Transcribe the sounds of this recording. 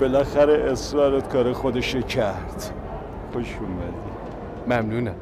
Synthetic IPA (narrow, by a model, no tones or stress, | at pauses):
b̥elæxæɾeʔesɾɒːɾet̪kʰɒːɾexod̪eʃecʰæɾd̪̥ | xoʃumæd̪i | mæmnunæ